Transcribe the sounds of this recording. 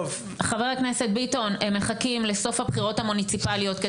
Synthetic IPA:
v | χaveʁakne̞se̞t̚bitonemːeχakimle̞so̞fhabχiʁo̞thamunit͡sipalio̞t̪ke

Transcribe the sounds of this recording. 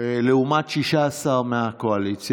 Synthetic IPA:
eleumat͡ʃːiʃasameakoalit̪sj

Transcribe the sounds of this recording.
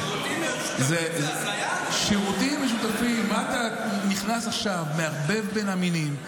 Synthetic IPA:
ze | z | ʃiʁut̪imːeʃ̬ut̪afimːaat̪a | niχnasaχʃavmeaʁbe̞vbenaminim

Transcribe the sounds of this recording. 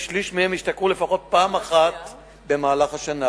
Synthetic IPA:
ʃliʃmihemiʃt̪akʁule̞faχo̞t̪̚paːmaχat̪ | be̞maːlaχhaʃana

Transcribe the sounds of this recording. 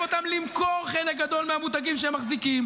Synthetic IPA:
o̞t̪amlimko̞ʁχelek̚ɡad̪o̞lmehamut̪̬aɡimʃeemːaχzikim

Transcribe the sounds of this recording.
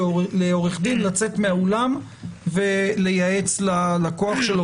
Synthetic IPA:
leo̞ʁeχd̪inlat͡se̞t̪meaolam | vele̞jae̞t͡slalako̞aχʃelo

